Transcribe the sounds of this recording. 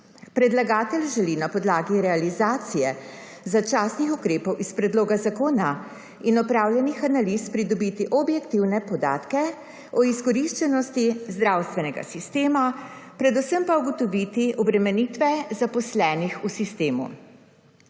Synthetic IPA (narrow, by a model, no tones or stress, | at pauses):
pɾɛd̪laɡaːt̪ɛlʒɛlinapɔd̪laːɡiɾɛalizaːt̪sijɛ | zat͡ʃaːsnixukɾeːpɔwʔispɾɛd̪loːɡazakoːna | inɔpɾawljɛnixanaliːspɾid̪ɔbit̪iʔɔbjɛkt̪iwnɛpɔd̪aːt̪kɛ | ɔiskɔɾiʃt͡ʃɛnɔst̪izd̪ɾaːwst̪ʋɛnɛɡa̰sist̪eːmapɾɛd̪usəmpauɡɔt̪ɔʋit̪iʔɔbɾɛmɛnit̪ʋɛzapɔslɛːnixusist̪eːmṵ